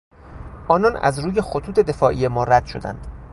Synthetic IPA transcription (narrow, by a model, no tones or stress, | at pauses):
ʔɒːnɒːnæ̰zruːje̞xot̪ʰuːt̪ʰed̪e̞fɒːʔije̞mɒːɾæd̪̥ʃo̞̰d̪æ̰nd̪̥